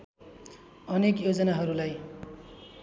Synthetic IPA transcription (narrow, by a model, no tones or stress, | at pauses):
ʌnekjod͡zʌnaɦʌɾulaj